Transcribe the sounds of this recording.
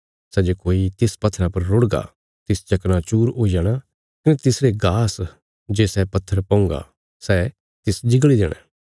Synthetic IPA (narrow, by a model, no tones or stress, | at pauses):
sɛd͡ʒekoːit̪ɪspɐt̪ʰːɾãpɐɾːoɽɡa̰ | t̪ɪst͡ʃɐkñat͡ʃuːɾoːid͡ʒaːɽ̃a | kɐnɛt̪ɪsɾeɡaːs | d͡ʒeːsɛpɐt̪ʰːəɾpɐ̃ːʊ̃ŋɡa̰ | sɛ | t̪ɪsd͡ʒɪɡɭid̪eːɽ̃ɛ̰̃